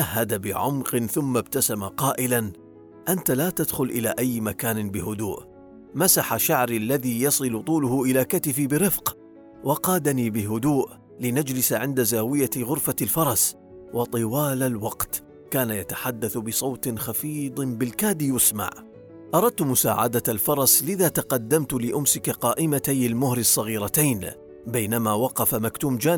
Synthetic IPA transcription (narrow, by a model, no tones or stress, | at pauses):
ʔahːad̪abɪʕʊmqɨnθʊmːabt̪asamaqɑːʔɪlan | ʔant̪alaːt̪ad̪xʊlʔɪlaːʔajːmakaːnɪbɪhʊd̪uːʔ | masaħaʃaʕɾlːaðiːjɑsˤɨlʊt̪ˤuːlʊhʊʔɪlaːkat̪ɪfibɪɾɪfq | wʔɑqɑːd̪aniːbɪɦʊd̪uːʔ | lɪnad͡ʒlɪsaʕɪnd̪azaːwɪjaɣʊɾfalfɑɾˤɑs | wɑt̪ˤɨwaːlalwɑqt̪ | kaːnajat̪ḁħad̪ːaθbɪsˤɑwt̪nxafiːd̪ˤbɪlkaːd̪ijʊsma̰ʕ | ʔɑɾˤɑd̪̚t̪ʊmʊsa̰ːʕa̰d̪aalfɑɾˤɑslɪðaːt̪ɑqɑd̪ːamt̪ʊlɪʔʊmsɪkaqɑːʔɪmat̪ajalmʊhɾɪsˤːɑɣiːɾɑt̪ajn | bajnamaːwɑqɑfamakt̪uːmd͡ʒaː